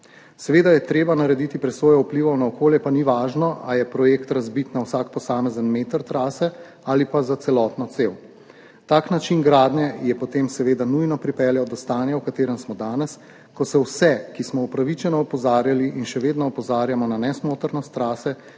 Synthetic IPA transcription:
sɛʋeːd̪ajɛt̪ɾeːbanaɾɛd̪it̪ipɾɛsʋoːjɔupliʋɔwnaɔkoːljɛpaniʋaːʒnɔʔajɛpɾɔjeːkt̪ɾazbit̪nawsaːkpɔsaːmɛzənmeːt̪əɾt̪ɾaːsɛ | alipazat̪ɛlɔːt̪nɔt̪sew | t̪aknat͡ʃinɡɾaːd̪nɛjɛpɔt̪emsɛʋeːd̪anujnɔpɾipɛljaɔd̪ɔst̪aːnjawkat̪eːɾɛmsmɔd̪aːnɛs | kɔsɛwsɛkismɔupɾaʋit͡ʃɛnɔːpɔzaːɾjaliʔinʃɛʋeːd̪nɔɔpɔzaːɾjamɔnanɛsmoːt̪əɾnɔst̪ːɾaːsɛ

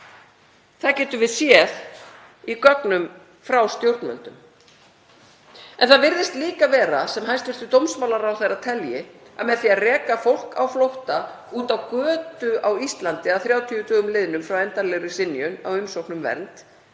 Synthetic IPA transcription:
θaðcɛːt̪ʏɾvɪðsjɛð | ikɔknʏm | fɾawst̪jowɾt̪nmœ̰nt̪ʏm | ɛnθaðvɪɾðɪst̪liːkavɛːɾasɛmɦajst̪vɪɾ̥t̪ʏt̪owmsmawlaɾawθejɾat̪ʰɛljɪa̰mɛðθiːarɛːkafowl̥ka̰wflowht̪a | uːt̪awkœːt̪ʏawist̪lant̪ɪaðθɾjaːwt̪ʰiʏt̪ʰœːɣʏmlɪðnʏmfɾawɛnt̪aɾlɛjrʏsɪnːjʏna̰wʏmsowhknʏmvɛ̰ɾnt̪

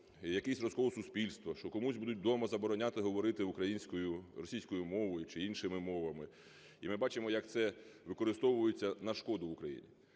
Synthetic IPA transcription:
jɐkɛsʲrɔzkɔʋɔsʊspʲilʲst̪ʋɔʃt͡ʃɔkɔmusʲbud̪ʊt̚ʲd̪ɔmɐzɐbɔɾɔnʲat̪ɪɦɔʋɔɾɪt̪ɪʊkɾɐjinʲsʲkɔjʊrɾɔsʲijsʲkɔjʊmɔʋɔjʊt͡ʃɪinʃɪmɪmɔʋɐmɪ | imɪbɑt͡ʃɪmɔjɐkt̪sɛ | ʋɪkɔɾɪst̪ɔʋʊjet͡sʲːɐnɐʃkɔd̪ʊʋʊkɾɐjḭnʲi

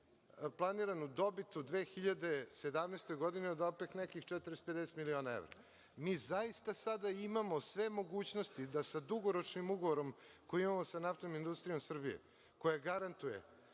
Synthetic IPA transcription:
plˠaniɾanud̪o̞bit̪ud̪ʋexiʎad̪e̞sed̪amnest̪o̞jɡo̞d̪ineod̪opeknekixt͡ʂɛt̪ɾest̪ope̞d̪ese̥t̪milio̞naeʋɾa̰ | miːzajist̪asad̪aimamo̞sʋe̞mo̞ɡuːt͡ɕnost̪id̪asad̪uɡoɾo̞t͡ʂnimuɡoʋoɾo̞mkojuimamo̞sanaft̪oomind̪ust̪ɾijo̞msr̩bijḛ | ko̞jaɡaɾant̪ujḛ

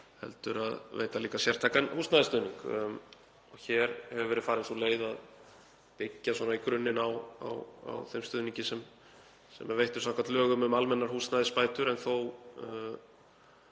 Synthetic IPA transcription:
hɛ̰lt̪ʏɾaðvḛjt̪aliːkasjɛr̥t̪ʰaːjkanhuːst̪naðɪst̪ʏːðniŋk | ɔçɛɾ̥hɛvvʏvɛːɾɪfaːɾɪnθuleːjðað | t̪ecːaswɔːnaikɾʏnːɪnawa̰wa̰wθejmst̪ʏːðniɲcɪsɛm | sɛ̰maɾvejht̪ʏɾ̥sawŋkat̪lœːɣʏmʏmalmɛnːaɾ̥huːst̪naðɪspaːjt̪ʏɾɛnθow

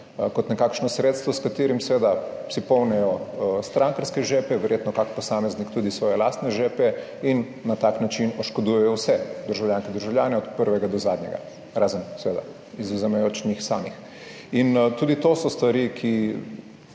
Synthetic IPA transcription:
kɔt̪nɛkaːkʃnɔsɾeːt̪st̪ʋɔskat̪eːɾimsɛʋeːd̪asipɔwnɛjɔst̪ɾaŋkaɾskɛʒepɛʋɛɾjet̪nɔkakpɔsaːmɛznikt̪uːd̪isʋɔːjɛlast̪nɛʒeːpɛ | inːat̪aknat͡ʃinɔʃkɔd̪ujɛjɔwsɛd̪əɾʒawlʲjanskɛd̪əɾʒawlʲjaːnɛɔt̪pəɾʋɛɡad̪ɔzaːd̪nɲɛ̰ɡa̰ | ɾaːzənsɛʋeːd̪a̰ | izɔzɛmɛjoːt͡ʃɲixsaːmix | int̪uːd̪it̪osɔst̪ʋaɾikʰi

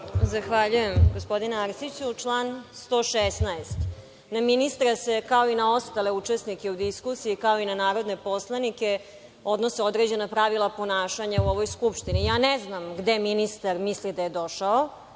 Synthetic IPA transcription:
zaxʋaʎuje̞mɡospo̞d̪ineaɾsit͡ɕut͡ʂlˠaːnst̪o̞ːʃesnaest̪ | naminist̪ɾasekao̞inao̞st̪ale̞ut͡ʂesnike̞ud̪iskusiikao̞inanaːɾo̞d̪ne̞po̞slˠanike̞ | o̞d̪noseo̞d̪ɾed͡ʑe̞napɾaʋilˠapo̞naːʃaɲauo̞ʋo̞jskupʃt̪inijaːneznamɡd̪eminist̪aɾmislid̪aje̞d̪o̞ʃao

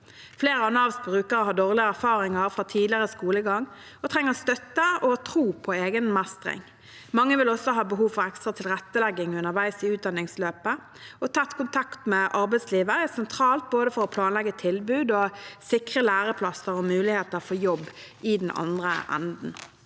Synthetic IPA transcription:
fleːʁəɑnɑːʋsbʁʉːkəʁəɦɑːd̪oːʁlɪəæʁfɑːʁɪŋɑʁfʁɑt̪ʰiːd̪lɪʁəskuːləɡɑŋː | ɔt̪ʰʁɛŋːəʁst̪œt̪ːəɔt̪ʰʁuːpʰɔeːɡənmæst̪ʁɪ̰ŋ | mɑŋːəʋɪlɔsːɔɦɑːbəɦuːʋfɔʁɛkst̪ʁɑt̪ʰɪlʁɛt̪ːəlɛɡɪŋʉnəʁʋæɪsɪʉːt̪̚d̪ɑnːɪŋsløːpə | ɔt̪ʰɑt̪ːkʰʊnt̪ʰɑkt̪mɛʔɑʁbɛɪsliːʋəʁɛsɛnt̪ʰʁɑːlt̪̚boːd̪əfɔɾɔpʰlɑːnlɛɡət̪ʰɪlbʉːd̪ɔsɪkʁəlæːʁəpʰlɑsəɾɔmʉːlɪheːt̪əʁfɔjɔbːʔɪd̪ɛnʔɑ̰nd̪ʁə̰ʔɛ̰nd̪n̩

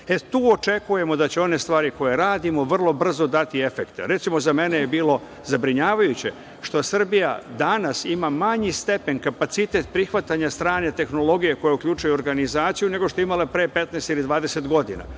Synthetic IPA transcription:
et̪uːo̞t͡ʃe̞kuje̞mo̞d̪at͡ɕeo̞ne̞st̪ʋaːɾiko̞jeɾaːd̪imo̞ʋr̩lˠo̞br̩zo̞d̪at̪ie̞fekt̪ḛɾe̞t̪simo̞zame̞nejebiːlo̞ | zabɾiɲaːʋajut͡ɕe̞ | ʃt̪o̞sr̩bija̰d̪anasimamaɲist̪e̞pe̞nkapat̪sit̪e̞t̪̚pɾixʋat̪aɲast̪ɾaːnet̪e̞xno̞lˠo̞ɡije̞ko̞jeukʎʲut͡ʃujuo̞ɾɡanizaːt̪sijune̞ɡoʃt̪oimale̞pɾeːpe̞t̪nɛst̪ilid̪ʋaːd̪ese̞t̪ɡo̞d̪ḭna̰

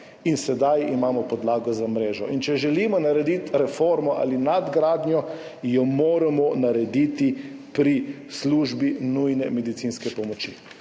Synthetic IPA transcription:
insɛd̪ajimaːmɔpɔd̪laːɡɔzamɾeːʒɔʔint͡ʃɛʒɛlimɔnaɾɛd̪it̪ɾɛfoɾmɔʔa̰ːlinad̪ɡɾaːd̪njɔ | jɔmoːɾamɔnaɾɛd̪it̪ipɾi | sluːʒbinujnɛmɛd̪it̪sinskɛpɔmɔt͡ʃḭ

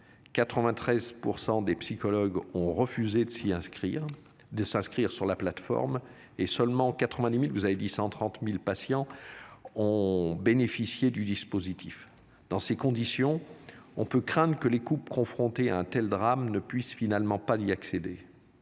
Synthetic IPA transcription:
kat̪χəvɛ̃t̪χɛzpuʁsɑ̃d̪epsikɔlɔɡɔ̃ʁəfyzed̪əsiɛ̃i | d̪əsɛ̃skχiʁsyʁlaplat̪fɔ̰ʁm | esœlmɑ̃kat̪χəvɛ̃d̪imilvuzaved̪isɑ̃t̪χɑ̃t̪milpasjɑ̃ | ɔ̃benefisjed̪yd̪ispozit̪ʰif | d̪̥ɑ̃sekɔ̃d̪isjɔ̃ɔ̃pøkχɛ̃d̪ʁəkəlekupkɔ̃fχɔ̃t̪ea̰ɛ̃t̪ɛld̪ʁamnəpɥisfinalmɑ̃paziaksed̪e

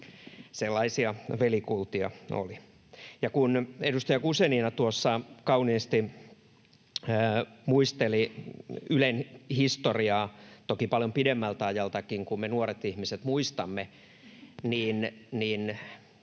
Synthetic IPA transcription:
selːɑisiɑʋelikult̪iɑ̰o̰li | jɑkunedust̪ɑjɑkuseninɑt̪uosːɑkɑuniːst̪i | muist̪eli | ylenhist̪oriɑːt̪okipɑljompidemːælt̪æɑjɑlt̪ɑkiŋkummenuoret̪ihmiset̪muist̪ɑmːe | niːnniːn

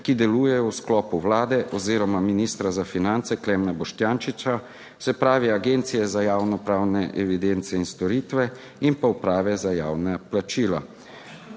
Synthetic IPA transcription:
kid̪ɛluːjɛjɔwsklɔːpuwlaːd̪ɛʔɔziːɾɔmaminiːst̪ɾazafinant̪sɛklɛmnabɔʃt̪jaːnʃit͡ʃa | sɛpɾaːʋiaɡent̪sijɛzajaːwnɔpɾaːwnɛʔɛʋid̪ent̪sɛinst̪ɔɾiːt̪ʋɛ | impaupɾaːʋɛzajaːwnaplat͡ʃiːla

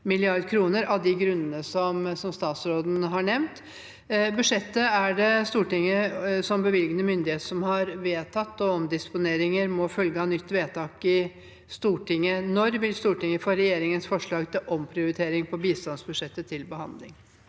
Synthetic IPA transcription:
mɪlɪɑɾd̪kʰɾuːnəɾɑd̪ɪɡɾʉnːənəsɔmsɔmst̪ɑːt̪sɾoːd̪n̩ɦɑɳɛʋnt̪ | bʉʂɛt̪ːəæɖɛst̪uːʈɪŋːəsɔmbəʋɪlɡənəmʏnd̪ɪheːt̪əʂɔmhɑɾʋeːt̪ʰɑt̪ːɔɔmd̪ɪspʊneːɾɪŋəɾmɔfœlɡəhɑːnʏt̪ːʋeːt̪ʰɑːkɪ | st̪uːʈɪŋːənɔɾʋɪlst̪uːʈɪŋːəfɔɾɛjeːɾɪŋənsfɔʂɭɑːɡt̪ʰɪlʔɔmpʰɾɪʊɾɪt̪ʰeːɾɪŋpʰɔbiːst̪ɑnsbʉʂɛt̪ːət̪ʰɪlbəhɑ̰nd̪lɪ̰ŋ

